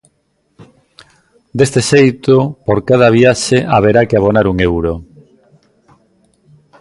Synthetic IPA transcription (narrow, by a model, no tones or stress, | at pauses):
d̪est̪eʃejt̪opoɾkað̞ɐβiaʃeʔaβ̞eɾakɪaβ̞onaɾuŋewɾo